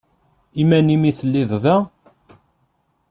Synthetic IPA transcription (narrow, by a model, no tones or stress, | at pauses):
imænimiθəlːiðˤðæ